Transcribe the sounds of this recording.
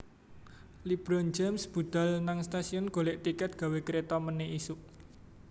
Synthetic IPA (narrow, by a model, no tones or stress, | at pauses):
lib̥ɾɔnd͡ʒamsb̥ṳd̪̥a̤lnaŋst̪asiʊnɡ̥o̤leʔt̪ikɛt̪̚ɡ̥a̤wekɾet̪ɔməneisʊʔ